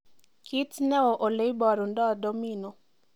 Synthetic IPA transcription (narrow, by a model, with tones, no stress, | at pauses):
ki˦tnɛ˦ɔ˨ʔo˨le˦i˦bɔ˨ɾu˨ndɔ˦do˦mino˨